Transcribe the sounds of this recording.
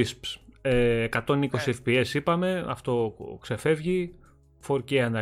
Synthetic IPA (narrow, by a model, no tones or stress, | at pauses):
ispseːkɐt̪o̞niko̞siefpie̞sipɐme̞ɐ̰ft̪o̞kse̞fe̞vʝi | fo̞ɾceɐnɐ